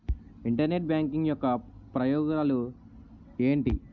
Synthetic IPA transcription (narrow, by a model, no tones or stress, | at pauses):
iɳʈɐɾne̞ʈ̚bjaːŋkiŋɡjɔkːɐpɾɐjɔːɡnalu | e̞ːɳʈḭ